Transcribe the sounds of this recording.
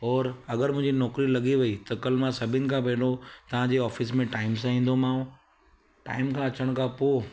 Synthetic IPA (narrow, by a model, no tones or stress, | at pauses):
ɔːɾɐɡəɾmʊ̃ɦɪ̃ɲd͡ʑinɔːkɾilɐɠiʋɐit̪ɐkɐlmãsɐbʱɪnɪ̆kʰãpɐ̃ːɳɖot̪ɐʋ̤ãd͡ʑeɔːfɪsmẽʈaːɪmsãĩːn̆d̪omãːũ | ʈa̰ːɪmkʰãɐt͡ɕəɽ̃kʰãpoː